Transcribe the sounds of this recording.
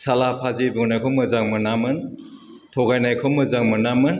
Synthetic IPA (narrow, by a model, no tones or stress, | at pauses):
salapʰazibɯŋnajkʰɔmɯzaŋmɯnamɯn | tʰɔɡajnajkʰɔmɯzaŋmɯnamɯn